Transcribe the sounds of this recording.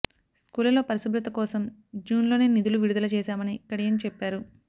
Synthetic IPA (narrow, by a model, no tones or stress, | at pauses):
skuːlɐlo̞ːpɐɾisubɾut̪ɐkɔːsɐmd͡ʒuːnlo̞ːneːnid̪uluʋiɽud̪ɐlɐt͡ʃɛːʃaːmɐnikːɐɽijɐnit͡ʃɛpːaːɾu